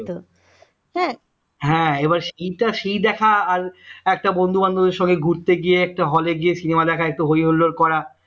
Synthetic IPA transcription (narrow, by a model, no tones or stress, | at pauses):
t̪o | ɦɛ̃ | ɦɛ̃ebaɾʃejʈaʃejd̪ɛkʰaaɾɛk̚ʈabond̪ʱuband̪ʱod̪eɾʃɔŋɡeɡʱuɾt̪eɡieɛk̚ʈaɦɔleɡiesinemad̪ɛkʰaek̚ʈuɦojɦoloɾkɔɾa